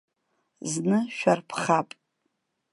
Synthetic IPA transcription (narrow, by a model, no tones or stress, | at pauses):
znɨʃᶣarpʰχapʼ